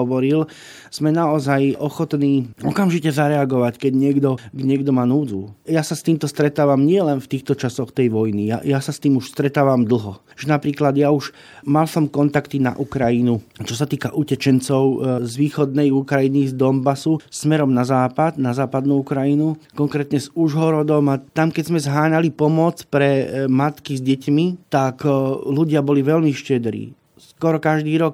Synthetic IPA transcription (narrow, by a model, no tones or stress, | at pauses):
ɔʋɔɾil | z̥mɛnaɔzajɔxɔt̪niːɔkamʒicɛzaɾɛaɡɔʋackɛɟɲɪɛɡd̪ɔɡɲɪɛɡd̪ɔmaːnuːd͡zujasast̪iːmt̪ɔst̪ɾɛt̪aːʋamɲɪɛlɛnft̪iːxt̪ɔt͡ʃasɔxt̪ɛjʋɔjnija̰jasast̪iːmuʃst̪ɾɛt̪aːʋamd̪l̩ˠɦɔ | ʒ̥ɛnapɾiːklad̪jauʃ | malsɔmkɔnt̪akt̪ina̰ʔukɾajinut͡ʃɔsat̪iːkaʔucɛt͡ʃɛnt͡sɔʊzʋiːxɔd̪nɛjukɾajinizd̪ɔmbasusmɛɾɔmnazaːpad̪nazaːpad̪nuukɾajinukɔŋkɾɛːt̪ɲɛzuʒɦɔɾɔd̪ɔmat̪amkɛzmɛzɦaːɲalipɔmɔt͡spɾɛmat̪kizɟɛcmit̪akluɟɪabɔliʋɛlmiʃcɛd̪ɾḭː | skɔɾɔkaʒd̪iːɾɔk